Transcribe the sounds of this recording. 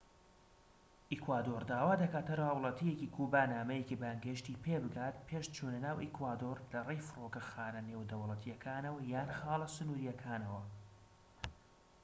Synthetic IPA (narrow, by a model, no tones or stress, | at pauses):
ʔikwaːd̪oːɾd̪aːwaːd̪ɐkaːt̪ɐɾawlˠɐt̪ʰijecikʰubaːnaːmɐjecibaŋɡɐʃt̪iːpʰeːbɨɡaːt̪pʰeʃt͡ʃʰuːnɐnaːwʔikwaːd̪oɾlɐrejfɨrokɐxaːnɐneːwd̪ɐwlˠɐt̪ʰijɐkʰaːnɐwɐjaːnxaːlˠɐsɨnuːɾijɐkʰaːnɐwɐ